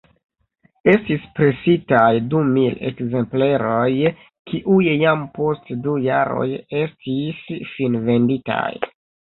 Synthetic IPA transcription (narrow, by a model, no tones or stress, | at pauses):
e̞stispɾe̞sitajdumile̞̰kze̞mple̞ɾo̞j | kʰiʔujjampo̞stduja̰ɾo̞̰je̞stisfinve̞ndita̰j